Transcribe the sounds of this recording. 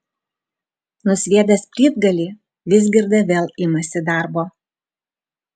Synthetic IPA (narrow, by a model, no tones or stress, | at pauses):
nʊsʲʋʲiɛd̪ʲɐspʲɾʲiːd̪ɡɐlʲiː | ʋʲɪzʲɡʲɪɾd̪ɐʋʲeːlˠɪmɐsʲɪd̪ɑˑɾboː